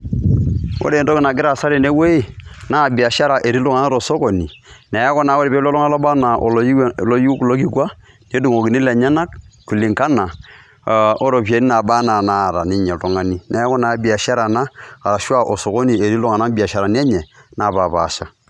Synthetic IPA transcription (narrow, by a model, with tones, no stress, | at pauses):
wo̰˦ɾe˨ndo˦kɪ˨na˨ɡɪ˦ɾa˨sa˦ɾe˨ne˦we˦i˦na˦˨bi˨a˨ʃa˦ɾa˨ʔe˨ɾi˦lu˦ŋa˨na˦ɾo˨so˦ko˨ni˨nɛ˨˦a˦kɔ˦na˨˦wo˦ɾi˨pe˦llŋa˦lo˦ba˦na˨ʔo̰˨lo˦lo˦ju˦klo˦ki˦kwa˦ | ne˦du˨ŋo˨ki˨ni˦lɛ˨ɲa˦na˦k̚ku˨li˨ŋka˦na˨ | o˦ɾo˨p̬je˨˦ni˦na˨ba˦na˨na˦˨ɾa̰˨ni˦ɲɛ˨lu˨ŋa˦ni˦n˨˦a˦kɔ˦na˨˦bi˨a˨ʃa˦ɾa˨na˦a˨ɾa˨ʃa˦ʔo˨so˨ko˦ni˨e˨ɾi˦lu˦ŋa˨na˦bi˨a˨ʃa˨ɾa˨ni˦ɛ˦ɲɛ˨na˨pa˨pa̰˨ʃa˦